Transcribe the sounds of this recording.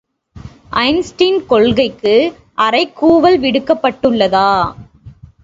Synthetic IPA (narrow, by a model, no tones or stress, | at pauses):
ʔɐɪnsʈinkɔɭɣɐɪkːɯ | ʔɐɾɐɪkːuːʋɐlʋɪɽɯkːɐpːɐʈːɯɭːɐðaː